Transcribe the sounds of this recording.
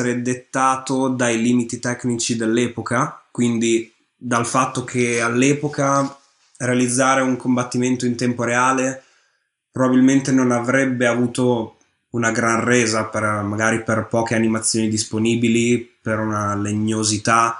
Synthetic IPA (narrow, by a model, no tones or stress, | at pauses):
eɾed̪et̪ːaːt̪od̪ajliːmit̪it̪ɛknit͡ʃid̪elːɛːpokakwind̪i | d̪alfat̪ːokʰealːɛːpoka | realid̪zːaːɾeuŋkombat̪ːiment̪oint̪ɛmpoɾeaːle | pɾobabilment̪enonavɾɛbːeavuːt̪o | unaɡɾanrɛːzapermaɡaːɾiperpɔːk̟eanimat̪sːjoːnid̪isponiːbilipeɾunaleɲːozit̪a